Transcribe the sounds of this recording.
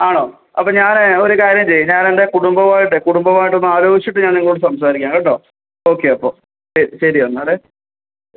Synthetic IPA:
aːɳoː | ɐ̰pːoːɲaːno̞ɾukaːɾjɐmt͡ɕejɲaːne̞nde̞kuɽumbɐmaːjiʈːɨkuɽumbɐmaːjiʈːo̞nːɨaːɾo̞ːɡit͡ɕːiʈːɨɲaːniŋːɭuːɽɨsɐms̬aːɾikʲːaːŋɡɐɳɖo̞ː | o̞ːkːe̞ɐpːo̰ː | ɕɐɾiɕɐɾiɐnːaɽe

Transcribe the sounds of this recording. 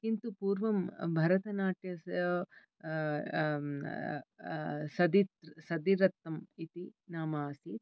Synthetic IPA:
kint̪upuːɾʋɐmbʱɐɾɐt̪ɐnaːʈjɐɐ | sɐd̪it̪sɐd̪iɾɐt̪ːɐmit̪inaːmaːsi

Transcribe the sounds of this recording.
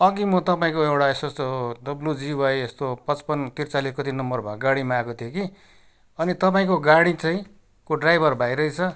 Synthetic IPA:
ʌɡimʌt̪ʌpaĩkoewɽaesosod̪ʌbljud͡ziwajest̪opʌt͡spʌnt̪irt͡saliskʌt̪inʌmbʌrbʱaɡaɽimaakot̪ʰijoki | ʌnit̪ʌpaĩkoɡaɽit͡saĩ | koɖrajbʱʌrbʱajɾʌit͡sʰʌ

